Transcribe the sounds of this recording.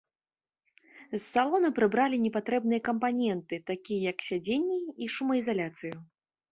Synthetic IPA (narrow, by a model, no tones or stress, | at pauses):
sːalˠɔnɐpɾɨbɾalʲinʲɛpat̪ɾɛbnɨjɐkɐmpanʲɛnt̪ɨt̪akʲijɐjɐksʲad͡zʲenʲːiiʂumɐizalʲat̪sɨju